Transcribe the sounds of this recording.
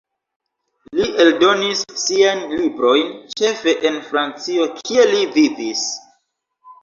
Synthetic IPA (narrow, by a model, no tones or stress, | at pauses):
liʔe̞ldo̞nisːiajnlibɾo̞jnt͡ʃe̞fe̞ʔenfɾant͡sio̞kʰie̞livivis